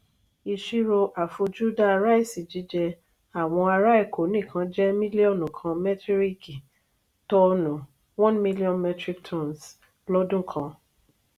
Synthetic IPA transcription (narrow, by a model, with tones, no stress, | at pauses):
i˧ʃi˦ɾo˧ʔa˨fo˧d͡ʒu˦da˦a˧ɾa˦i˦˨si˨d͡ʒi˨˦d͡ʒɛ˧ | a˨w̃ɔ̃˧a˧ɾa˦i˦˨kʰo˨˦nĩ˦˨kʰã˨˦d͡ʒɛ˦mĩ˦li˦ɔ˦˨nũ˨kʰã˧mɛ˦tɾi˦ki˨ | tɔ˧nũ˨ | wɔ̃˦nmi˦li˦ɔ̃˦nmɛ˦tɾi˧ktʰɔ̃˦˨ns | lɔ˦dũ˦˨kʰã˧